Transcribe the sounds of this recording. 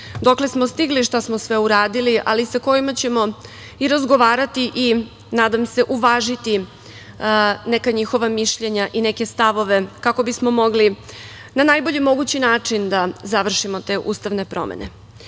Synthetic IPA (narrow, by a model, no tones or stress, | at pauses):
d̪okle̞smo̞st̪iɡliʃt̪asmosʋe̞uɾaːd̪iliʔalisako̞jimat͡ɕe̞mo̞ | iɾazɡo̞ʋaːɾat̪iʔi | naːd̪amse̞ʔuʋaːʒit̪i | nekaɲixo̞ʋamiʃʎe̞ɲaʔine̞ke̞st̪aʋo̞ʋe̞kakobismo̞mo̞ɡli | nanajbo̞ʎimo̞ɡut͡ɕinaːt͡ʂind̪azaʋr̩ʃimo̞t̪e̞ːʔṵːst̪aʋne̞pɾo̞̰mḛnḛ